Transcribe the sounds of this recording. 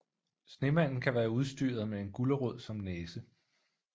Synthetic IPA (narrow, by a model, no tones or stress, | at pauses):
sne̝mæn̰n̩kʰæʋæːɐuð̞ˠsd̥yːɐð̞̩ˠmee̝nɡ̥uləʁɔð̰ˠsɒ̽mneːsə